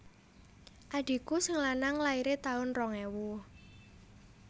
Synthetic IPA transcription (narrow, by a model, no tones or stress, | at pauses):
ʔaɖ̥i̤kusəŋlanaŋlaiɾet̪aʊnrɔŋewu